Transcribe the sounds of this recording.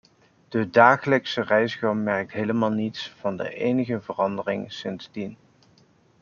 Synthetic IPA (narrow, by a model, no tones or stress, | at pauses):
d̥ədaːχələksərɛjsχɑmmːɛrk̚tɦejləmaːlˠnitsv̥ɑndə̰ʔejnəχəvərɑndərɪŋsɪnz̥din